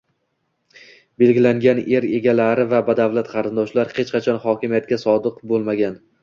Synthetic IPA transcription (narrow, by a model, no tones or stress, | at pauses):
be̞lɡʲɪlaŋɡʲane̞ɾe̞ɡʲalaɾɪvabad̪avlat̪qʰɑɾɪnd̪ɒʃlaɾhe̞t͡ʃqɑt͡ʃʰɒnhɒkʲɪmijat̪̚kʲasɒd̪ɨqbolˠmaɡʲan